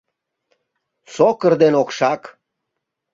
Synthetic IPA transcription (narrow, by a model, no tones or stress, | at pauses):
sokəɾd̪enokʃak